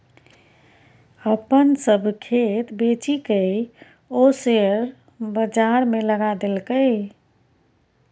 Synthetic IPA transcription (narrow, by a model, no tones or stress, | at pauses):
əpənsəbʱkʰet̪bet͡ʃikəj | oseəɾ | bəd͡ʒaɾmeləɡad̪elkəɪ